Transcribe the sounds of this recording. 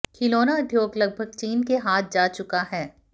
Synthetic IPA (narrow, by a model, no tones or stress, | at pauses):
kʰɪloːnaɐd̪ʱjoːɡlɐɡ̚bʱəɡ̚t͡ʃiːnkeɦaːt̪̚ʰd͡ʒaːt͡ʃʊkaɦɛː